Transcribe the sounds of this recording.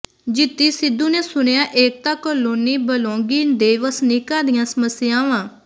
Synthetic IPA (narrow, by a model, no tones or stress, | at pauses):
d͡ʒɪt̪ːiːsɪd̪ːuːneːsʊɳ̃ejaːʔeːk̚t̪aːkəloːniːbəlõːŋɡiːd̪eːʋəsnɪkãːd̪ijãːsəməsɪjãːʋãː